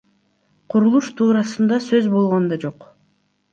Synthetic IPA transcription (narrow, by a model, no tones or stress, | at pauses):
qʰuɾulˠuʃt̪ʰuːɾɑsɯnd̪ɑsøzbo̞lˠʁo̞nd̪ɑd͡ʒo̞q